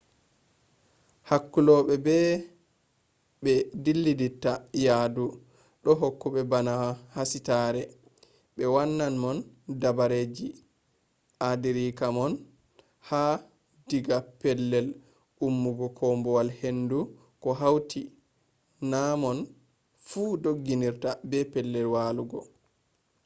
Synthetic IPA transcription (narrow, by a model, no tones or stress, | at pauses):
hakːulɔɓɛbɛ | ɓɛdilːiditːajadu | ɗɔɦokːuɓɛbanahasitaːɾɛ | ɓɛwanːanmɔn | dabaɾeːd͡ʒi | ʔadiɾiːkamɔn | ha | diɡapɛlːɛl | ʔumːuɡɔkʰɔmbɔwalhendu | kɔɦawti | namɔn | fuːdoɡːiniɾtabɛpɛlːɛlwaluɡɔ̰